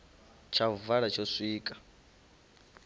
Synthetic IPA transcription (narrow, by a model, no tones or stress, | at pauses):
t͡ʃʰavaɺat͡ʃʰosʷiːkʼḁ